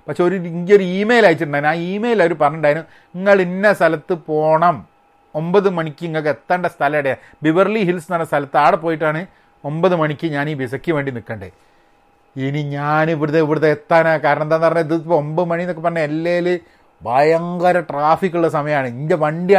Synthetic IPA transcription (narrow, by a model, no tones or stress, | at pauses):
pɐkʂeoɾuiŋɡo̞ɾuiːmeːjlaːjit͡ɕːiʈ̬ːuɳɖaːjinmaːiːmejilɐɾupɐrɐɲːɐɳɖaːjinu | iŋːɐɭinːest̪ʰɐlɐt̪ːɨpo̞ːɳɐm | o̞mbɐðɨmɐɳikʲːɨŋːɐk̬ːet̪ːaːɳɖest̪ʰɐlɐjiɽeja | bibɐrliɦilsnɐnːɐst̪ʰɐlɐt̪ːɨaːɽɨp̬oːjiʈːaːɳɨ | o̞mbɐðɨmɐɳikʲːɨɲaːniːbisɐkʲːɨʋe̞ːɳɖinikːɐɳɖɨ̰ | iniɲaːniʋiɾuðeiʋiɽuðeet̪ːaːnakaːɾɐɳɐnd̪ɐnːpɐrɐɲːɐiðɨpːoombɐɨmɐɳinokːepɐrɐnːeelːeːlɨ | bʱɐjɐŋɡɐɾɐʈraːfikːuɭɽesɐmɐjɐmaːɳɨind̪eʋɐɳɖia